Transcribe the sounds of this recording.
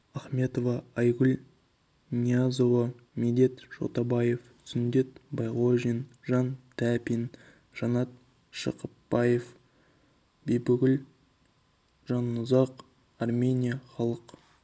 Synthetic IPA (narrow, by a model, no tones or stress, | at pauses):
ɑχmʲe̞t̪o̞vɑɑjɡʲʏl | nʲiazo̞vɑ | med̪e̞t̪ʒ̥o̰t̪ɑbɑje̞f | sɪnd̪e̞t̪bɑjʁoʒinʒɑnt̪ʰæpin | ʒ̥ɑnɑt̪̚ | ʃə̰qəpbɑje̞f | bejbʏɡʲɪl | ʒɑnːʊzɑq | ɑrmʲe̞nʲijaχɑlˠəq